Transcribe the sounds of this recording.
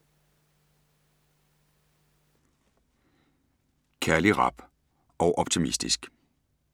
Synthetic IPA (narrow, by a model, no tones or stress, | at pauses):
kʰæɐliʁɑ̈b̥ | ɒ̽ʊʔɒ̽b̥̚t͡sʰimisd̥ḭsɡ̥